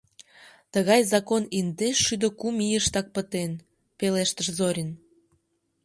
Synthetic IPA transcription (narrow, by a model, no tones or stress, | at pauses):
t̪əɣɑjzɑkonind̪eʃːyd̪əkumijəʃt̪ɑk̚pət̪en | peleʃt̪əʃzoɾʲən